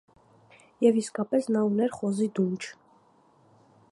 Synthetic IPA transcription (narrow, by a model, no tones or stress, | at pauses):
jɛviskɑpɛsnɑunɛɾχɔzid̪unt͡ʃʰ